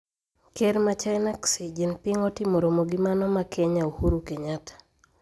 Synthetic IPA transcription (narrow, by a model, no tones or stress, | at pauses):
keɾmat͡ʃajnaksid͡ʒinpiŋɔtɪmoɾomoɡimanɔmakʰɛɲaohuɾukeɲatḁ